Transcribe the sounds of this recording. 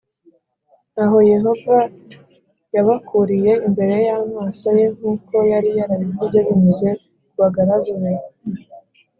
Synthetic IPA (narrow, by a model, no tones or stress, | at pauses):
naɦo̞je̞ɦo̞va | jaβakuɾije̞imbe̞ɾe̞jamaːsaje̞ŋ̥uːko̞jaɾijaɾaβivuze̞βimuze̞ | kuβaɡaɾaɡaɾe